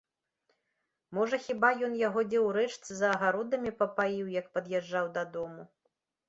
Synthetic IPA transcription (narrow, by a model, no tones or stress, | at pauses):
mɔʐɐxʲibajɔnjaɣɔd͡zʲɛwɾɛt͡ʂt̪sɨzɐːɣaɾɔd̪ɐmʲipɐpajiwjɐkpɐd̪jɛʐːawd̪ɐd̪ɔmu